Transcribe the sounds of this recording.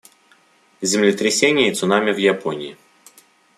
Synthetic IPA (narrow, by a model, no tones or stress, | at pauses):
zʲɪmlʲɪt̪ɾʲɪsʲenʲɪjəit̪sʊnamʲɪvjaponʲɪɪ